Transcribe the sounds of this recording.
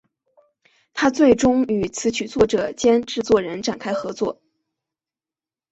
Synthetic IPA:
t̪ʰa˥t͡swe˥˩ɪʈ͡ʂʊ˥ŋy˨˩t͡sʰɹ̩˧˥t͡ɕʰy˨˩t͡swɔ˥˩ʈ͡ʂɤ˨˩t͡ɕjɛ˥nʈ͡ʂɻ̩˥˧t͡swɔ˥˩ɻə˧˥nʈ͡ʂa˨˩nkʰa˥ɪxɤ˧˥t͡swɔ̰˥˩

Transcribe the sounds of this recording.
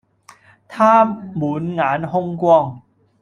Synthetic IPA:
t̪ʰaː˥˩muː˩˦nŋaː˩˦nɦo˥˧ŋkwɔː˧ŋ

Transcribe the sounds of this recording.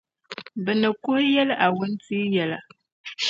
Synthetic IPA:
bɨ˨nɨ˨kʊ˦hjɛ˦lʔa˨wʊ˦n˦tiː˦jɛ˦la˨

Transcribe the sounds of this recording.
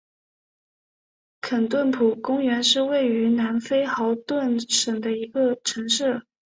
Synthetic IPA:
kʰə˨˩nt̪wə˥˩npʰu˨˩kʊ˥ŋɥɛ˧˥nʂɻ̩˥˧we˥˩ɪy˧˥na˧˥nfe˥ɪxɑ˧˥ʊt̪wə˥˩nʂə˨˩ŋd̪ə˦i˧˥ɡə˧ʈ͡ʂʰɤ˧˥ŋʂɻ̩˥˩

